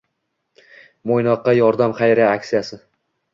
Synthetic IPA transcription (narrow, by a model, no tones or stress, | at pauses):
mojnɒqːɑjɒɾd̪amχɑjɾaakʲsijasɪ